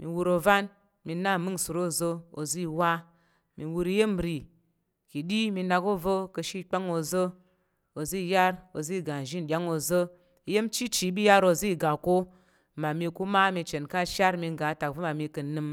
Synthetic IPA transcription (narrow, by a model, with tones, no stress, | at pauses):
mḭ˨wu˧ɾo˧va˦n | mi˧na˦˨mɨ˦ŋsɨ˨ɾo˦˨zə˧o̰˨zi˦wa˦ | mi˨wu˧ɾi˧je˦m˨ɾi˨ | ki˨ɗi˦mi˧na˧ko˦və˦kɨ˧ʃi˦k͡pa˦ŋo˧zə˦ | o˨zi˦˨˦ja˦ɾo˨zi˦˨ɡa˨n˨ʒi˦n˨ɗʲa˦ŋo˧zə˦ | i˧˦je˦mt͡ʃi˦t͡ʃi˨˦bi˦ja˦ɾo˧˨zi˦˨ɡa˨ko˦ | ma˨mi˧ku˦ma˦mi˧t͡ʃe˨nka˦ʃa˦ɾmi˧ŋɡa˨˦ta˨k̚və˦ma˨mi˧kɨ˧nɨ˧m